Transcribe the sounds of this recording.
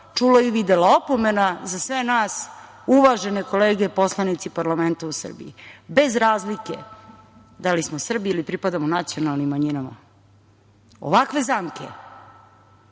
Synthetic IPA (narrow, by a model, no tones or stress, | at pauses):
t͡ʂuloiʋid̪elao̞po̞me̞nazasʋe̞naːs | uʋaʒe̞neko̞leːɡe̞po̞slˠanit̪sipaɾlame̞nt̪ausr̩bḭibe̞zɾaːzlikḛ | d̪alismosr̩biilipɾipad̪amonat̪sijo̞nalˠnimːaɲinama̰ | o̰ʋakʋe̞zaːmkḛ